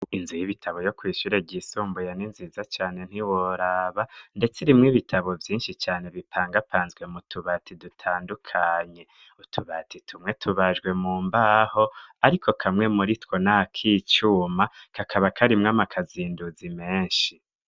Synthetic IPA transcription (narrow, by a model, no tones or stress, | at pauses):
inzijiβitʰaβo̞jo̞kwiːʃuɾe̞ɟisuːmbujaninziːzat͡ʃaːne̞n̥iwoɾaːβande̞t͡siɾimŋiːβitʰaβo̞vjiːnʃit͡ʃaːne̞βipʰaːŋɡapʰaːnzɡwe̞mutʰuβaːtidutʰaːndukʰaːɲe̞ | utʰuβatitʰumŋe̞tʰuβaʒɡwe̞muːmbaho̞aɾikʰo̞kʰamŋe̞muɾitwo̞naakʰiːt͡ʃuːmakakʰaβakʰaɾimŋamakʰaziːnduzime̞ːnʃi